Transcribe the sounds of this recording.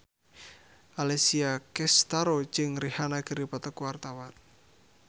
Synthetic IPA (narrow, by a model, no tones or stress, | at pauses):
ʔalesiakɛst̪aɾot͡ʃɪŋrihanaɡ̥ə̤ɾipat̪əkwart̪awan